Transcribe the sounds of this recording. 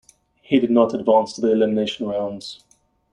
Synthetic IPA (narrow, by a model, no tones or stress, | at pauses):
hidɪdⁿnətədvɑ̃ˑnstʰəðiɪlɪmɪneɪʃə̃nɹãʊ̃nz̥